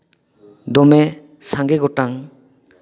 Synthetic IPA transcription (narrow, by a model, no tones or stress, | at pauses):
d̪ɔmɛ | saŋɡɛɡɔʈaŋ